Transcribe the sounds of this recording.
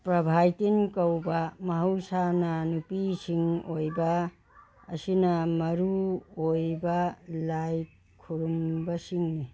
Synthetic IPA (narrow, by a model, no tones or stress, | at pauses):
pɾɐbʱajtinkɐwbɐmɐɦɐwsanɐnupisiŋojbɐ | ɐsinɐmɐɾuojbɐlaj | kʰːuɾumbɐsiŋni